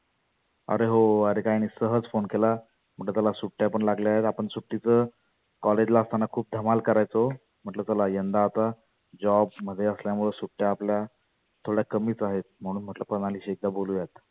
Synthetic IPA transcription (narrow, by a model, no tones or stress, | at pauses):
ə̰ɾeɦoəɾekajnisəɦəd͡zfonkela | m̤əɳʈləːt̪alasuʈːjapəɳlaɡleaɦet̪apəɳsuʈːit͡sə | kɔled͡ʑlaəst̪ʰanːakʰuːp̚d̪ʱəmalkəɾajt͡so | m̤əʈlət̪əlajənd̪aːt̪a | d͡ʑɔbm̤əd̪ʱːjeəsljamuɭəsuʈːjaːplja | t̪ʰoɽjakəmiːt͡saɦet̪̚m̤əɽ̃uːnm̤əʈləpəɽaliːɕek̚d̪aboluːjat̪